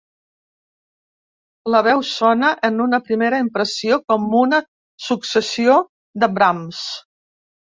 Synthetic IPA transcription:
ləβ̞ɛwsɔnəʔənunəpɾimeɾəimpɾəsiokɔmunə | suksəsio | ðəbɾams

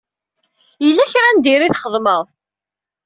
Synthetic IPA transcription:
jəlːæçɾænd̪iɾiθχəðˤməʁˤ

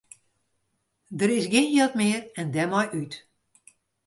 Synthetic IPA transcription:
dəɾɪsɡɪnjɛtmɪərɛndɛmɔjʔyt

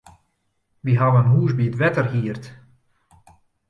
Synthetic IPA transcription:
ʋiɦaʋəənɦuːzbiətʋɛtərɦiərt

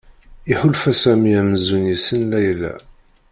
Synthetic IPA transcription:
iħʊlfæsæmiæməzunjisənlæjlæ̰

